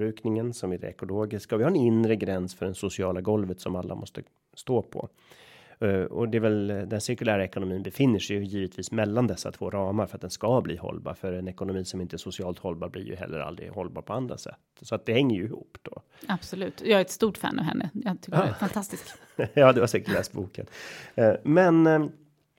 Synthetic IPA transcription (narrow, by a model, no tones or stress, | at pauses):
ɾʉ̟ːknɪŋənsɔmɪdɛ̰ɛkʊloːɡɪskaɔvɪhaɾɛnɪnɾəɡɾɛnsfœɖɛnsʊsɪɑːlaɡɔlvət̪sɔmalːa̰mɔst̪ə | st̪oːpʰɔ̰ | ɔ̰d̪ɛɛvɛld̪ɛnsɪɾkɵlæːɾaɛkʊnʊmiːnbɛfɪnːəʂɛjjiːvət̪ʰviːsmɛlːand̪ɛsːa̰t̪ʰv̥oːɾɑːmaɾfœɾat̪̚d̪ɛnskablḭːhɔ̰lbɑ̰ːɾfœɾɛnɛkʊnʊmiːsɔmɪnt̪əɛsʊsɪɑːlt̪hɔlbɑːɾblɪ̰ɾjɵ̰ɦɛ̰lːə̰ɾa̰ld̪ɾɪ̰hɔlːbɑːɾpʰɔand̪ɾa̰sɛ̰t̪ːsɔat̪̚d̪ɛhɛŋːəjɵɪhṵːpd̪̥ɔ | ab̥sɔlʉ̟ːt̪jɑːɡæɛt̪st̪uːʈfæ̰ːnʔɑ̰vɦɛ̰nːəjɑt̪ʰɪkːfant̪ʰast̪ɪsk | jɑːd̪ɛvaʂɛŋkəlɛːsbuːkə̰n | mɛn